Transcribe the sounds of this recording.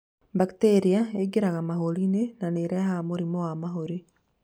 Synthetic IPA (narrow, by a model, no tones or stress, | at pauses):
bakteɾiaeɡeɾaɣamaɦolinenaneɾɛahamoɾimɔwamaɦoɾi